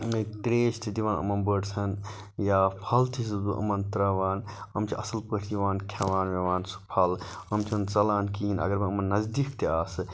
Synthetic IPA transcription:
met̪ɾeːʃt̪ʰid̪iʋaːnɐ̰mɐnbəɖsʰɐn | jaːpʰɐlt̪ʰisɨd̪uʔɐ̰mɐnt̪ɾɐʋaːnɐmt͡ʃʰiʔɐsɐlpəʈʰd̪iʋaːnkʰɐʋaːnʋeʋaːnsu̥pʰɐlɐmt͡ʃʰɐnt͡sɐlaːnkiːnɐ̰ɡɐɾmɐɐmɐnːɐzd̪ikt̪iaːsɨ

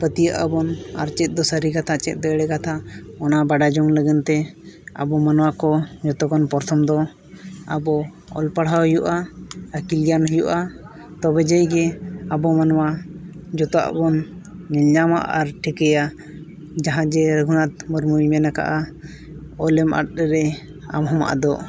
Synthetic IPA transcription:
pət̪ijəʔəbɔna̰ɾt͡ʃɛt̪̚ˀd̪ɔsəɾikat̪ʰat͡ʃɛ̰t̪̚ˀd̪ɔɛɽɛkat̪ʰaɔnabaɖad͡ʒɔŋləɡɛnt̪ɛa̰bɔmanwakɔd͡ʒɔt̪ɔkɔnpɔɾt̪ʰɔmd̪ɔ | a̰bɔ | ɔ̰lpaɽɦaɦujuʔaəkiljanɦujuʔa | t̪ɔbɛd͡ʒəjɡɛabɔmanɔwad͡ʒɔt̪ɔa̰ʔbɔnːɛlɲama̰ʔaɾʈʰikɛja | d͡ʒaɦãd͡ʒɛɾəɡʱunat̪̚mɔɾmuimɛnaka̰ʔa | ɔlɛmʔa̰ʈ̚ɾɾɛ | a̰mɦɔma̰ʔad̪ɔ

